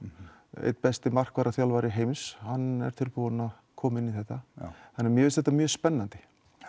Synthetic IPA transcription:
ḛjt̪̚pɛst̪ɪmar̥kvaːɾaθjawlvaːɾɪɦeːjmɪshanːɛ̰ɾ̥t̪ʰɪlpuːanað | kʰɔːmɪnːiθɛht̪ːaθanːɛːɾmjɛvɪlsθɛt̪amjœːspɛnːant̪ɪ̥

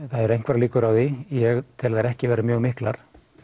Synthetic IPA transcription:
θaðɛɾejŋ̥kvaɾliːkʏɾawðijɛɣt̪ʰɪlðθajɾɛhcɪvɛːɾɪmjœːɣmɪhklaɾ̥

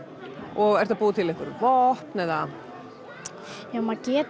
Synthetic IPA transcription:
ɔɣɛɾ̥t̪apuːðat̪ʰɪlɛhkvʏɾvɔhpnɛða | jaːwmacɛːt̪

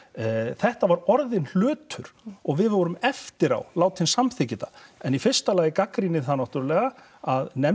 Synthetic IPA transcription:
θɛht̪avaɾɔɾðɪnl̥œːt̪ʰʏɾ̥ɔɣvɪðɔɾʏmɛft̪ɪɾa̰wlaːwt̪hɪnsamθɪcɪt̪a̰ɛnifɪr̥st̪alaːjɪkakɾinɪ̥θanawht̪ʏɾlɛːɣa | aðnɛ

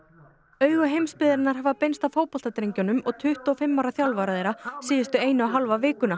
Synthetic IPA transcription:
œːɥɣʏɦejmspɪːðɪɾɪnaɾ̥ɦavðapejnst̪awfoːwpɔl̥t̪at̪ɾejɲcɔnʏmɔɣt̪ʰʏht̪ɔːfɪmːawɾaθjawlvaɾaðejɾasiːðɪst̪ʏeːjnʏawɦalvavɪːkʏna

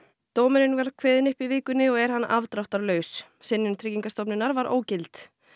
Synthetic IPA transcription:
t̪oːwmɛɾɪnvaɾkʰvɛːðɪnʏhpivɪːkʏnɪɔɣɛɾ̥hanːa̰vt̪ɾawht̪aɾlœːɥssɪnːɪnt̪ʰɾɪcːiŋkast̪ɔwpnɪnːaɾvaɾʔo̰ːwcɪlt̪

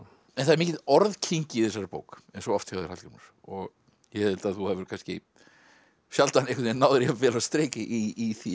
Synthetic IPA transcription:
ɛnθaðɾmiːcɪt̪ɔɾðcʰiɲcɪiθɛs̬ːaɾɪpo̰ːwkɛnsɔɔft̪hɛvaðɪɾhalcʏmna̰ɾ̥ | ɔɣ | jɛhɛɪlt̪aðθuhavɪɾkanscɪ̰ | sjalt̪aanejkʰʏt̪nɛnaːwðɪɾiavɛːlaðst̪ɾeːjcɪʔiʔːθi

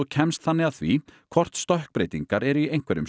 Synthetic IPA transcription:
ɔcʰɛmst̪θanːɪaðθvikʰv̥ɔr̥t̪st̪ɔhk̚pɾejt̪iŋkaɾɛɾiejŋ̥kvɛɾʏ̰m

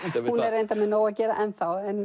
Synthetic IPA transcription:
hunɛɾejnt̪amɛnoːwaðcɛːɾaʔɛnθawɛn

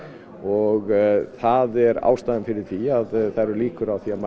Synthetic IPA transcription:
ɔɣθaðɛɾa̰ːwst̪aːðɪnfɪɾɪɾ̥θiaðθaɾʏɾliːkʏɾawθiama

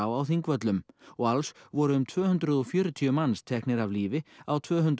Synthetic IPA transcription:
awawθiŋkvœt̪lʏmɔɣalsvɔɾʏʏmt̪ʰvœːhʏnt̪ɾʏðɔfjœːɾʏt̪ʰiʏmanst̪ʰɛhknɪɾavliːvɪawt̪ʰvœːɦʏnt̪

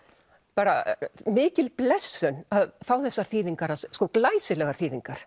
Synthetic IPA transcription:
paːɾamɪːcɪlplɛsːʏnaðθawθɛsːaɾ̥θiːðiŋkaɾasskɔwklaːjsɪlɛɣaɾ̥θiːðiŋkaɾ̥

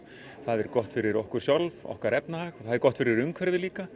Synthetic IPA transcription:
θaðɛɾkɔht̪fɪɾɪɾɔhkʏɾ̥sjalvɔ̰hkaɾɛpnahaːɣθaðɛɾkɔht̪fɪɾɪɾʏŋkʰvɛɾðɪliːka

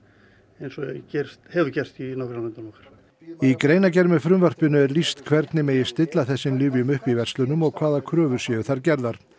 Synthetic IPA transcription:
ejnsɔɛcɛr̥st̪hɛːvʏcɛr̥t̪inɔkɾɪnamɛnt̪anɔhkḁɾ̥ | ikɾeːjnacɛɾmʏfɾʏmvar̥pɪnʏɛɾlist̪kʰvɛɾt̪nɪmeːjɪ̥st̪ɪt̪laθɛsːɪnlʏːvjʏmʏhpivɛr̥st̪lʏnʏmɔɣkʰvaːðakʰɾœːvʏɾ̥sjɛːjʏθaɾcɛɾðaɾ̥

